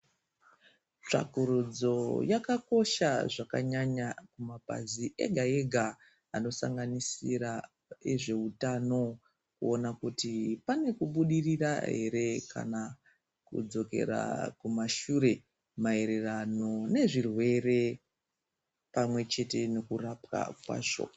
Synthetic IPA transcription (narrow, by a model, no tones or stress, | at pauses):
t͡ʂa̰kuɾud͡zo̞jakako̞ʃaʐaka̰ɲaɲakumapa̰ziʔe̞̰ɡʱae̞ɡʱa | ano̞sa̰ŋɡanisiɾa | eʐe̞utano̞ | kṵo̞nakutipane̞kuɓuɗirira̰ɦe̞̰ɾe̞ka̰na | kṵd͡zo̞ke̞̰ɾa̰kumaʃuɾe̞ | mae̞ɾe̞rano̞ne̞ʐirwe̞re̞ | pamwe̞t͡ʃe̞te̞no̞kurapwa̰kwa̰ːʐo̞̰